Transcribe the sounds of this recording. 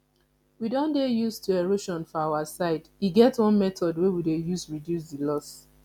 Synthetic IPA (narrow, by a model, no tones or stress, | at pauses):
widɔ̃ndejustʰueɹoʃɔ̃nfɔawasaɪdiɡɛtwɔ̃nmɛtɔdwewidejusɹidjus̬dilɔs